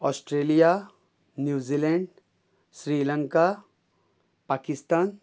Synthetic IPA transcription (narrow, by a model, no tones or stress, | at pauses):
ɔːsʈɾeːlija | njuːziːlɛ̃ɳɖ | sɾiːlə̃ŋka | paːkɪst̪aːn